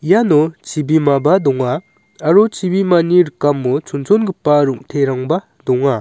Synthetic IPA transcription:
janot͡ʃibimabadɔŋaː | ɾot͡ʃibimaniɾɯkːamːut͡ʃʰunsʰonɡɯpːaɾuŋ̚tʰeɾaŋba | dɔŋa

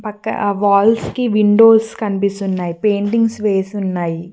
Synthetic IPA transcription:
pɐkːɐ̰ʋaːlskiʋiɳɖo̞ːskɐnipist̪unːaːjipeːɳʈiŋɡsʋe̞ːsiunːaːji

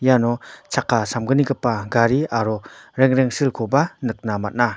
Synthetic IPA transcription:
janɔt͡ʃʰakʰːasamɡɯniɡɯpːaɡaɾiaɾɔɾeŋɾeŋsilkʰɔbanɯk̚namat̚na

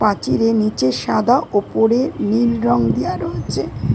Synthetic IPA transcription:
pat͡ɕiɾenit͡ɕeʃad̪ʱaʔopoɾenilɾɔŋd̪ijaɾoːt͡ɕʰe

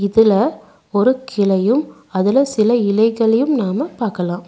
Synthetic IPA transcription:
ɪðɪlɐ | ɔɾɯkʰɪlɐjɯm | ɐðɪlɐsɪlɐɪlɐɪɣɐɭɐjɯmnaːmɐpaːɾkɐlãːm

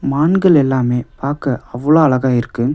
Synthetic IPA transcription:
maːnɡɐɭɛlːaːmeːpaːɾkɐʔɐʋːɐɭoːɐɭɐɣaːɪɾɯkːɯ

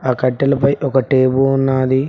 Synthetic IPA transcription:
aːkɐʈːɐlɐpɐjʔɔkɐʈeːbuunːaːd̪i

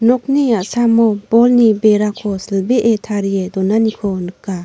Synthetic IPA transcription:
nɔk̚niasamɔbɔlnibeɾakʰɔsəlbeʔetʰaɾijedɔnanikʰɔnɯkːa

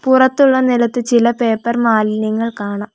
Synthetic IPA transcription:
purɐt̪ːuɭːɐnilɐt̪ːɨt͡ɕilɐpeːpːɐrmaːlnɐŋːɐɭkaːɳam

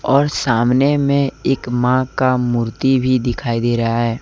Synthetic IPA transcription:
ɔːɾsaːmnemẽeːkmãkamuːɾt̪ibʱid̪ɪkʰaːid̪eːɾəɦaɦɛː

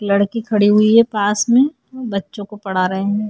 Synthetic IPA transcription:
lɐɽkikʰɐɽiɦʊiɦɛpaːsmẽ | bɐtːʃõkopɐɽ̤aɾɐɦẽɦɛ̃

